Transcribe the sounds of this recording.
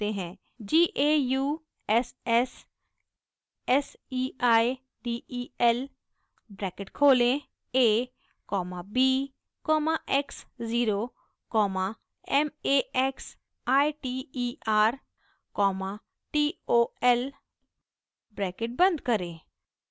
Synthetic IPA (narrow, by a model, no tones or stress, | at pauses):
t̪eːɦɛ̃ː | d͡ʒiːʔeːjuː | ɛːsɛːs | ɛsiːaːi | ɖiːʔiːɛːl | bɾɛːkɪʈkʰoːlẽː | eː | kɔːmãːbiː | kɔːmaːʔɛksziːɾoː | kɔːmaː | ɛːmeːɛːks | aːiʈiːiːʔaːɾ | kɔːmaː | ʈiːoːɛːl | bɾɛːkɪʈ̚bə̃nd̪kəɾẽː